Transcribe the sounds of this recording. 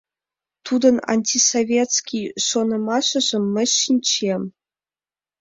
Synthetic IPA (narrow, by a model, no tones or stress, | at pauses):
t̪ʰud̪ə̆na̰nʲtʲisovʲet̪skʲijʂonɤ̆mɑɕɤ̆ʑɤ̆mːɘ̆ɕinʲt͡ɕʰem